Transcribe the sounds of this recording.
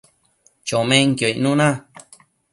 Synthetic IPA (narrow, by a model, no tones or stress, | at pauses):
t͡ʃomẽŋkjoiʔnũnã